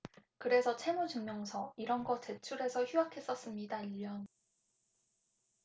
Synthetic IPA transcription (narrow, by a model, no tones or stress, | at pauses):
kɯɾe̞sʰʌt͡ɕʰe̞mud͡ʑɯŋmjʌŋsʰʌiɾʌnɡʌt͡ɕe̞t͡ɕʰuɾe̞sʰʌçuakʰe̞s͈ʌs͈ɯmɲidaiʎːʌn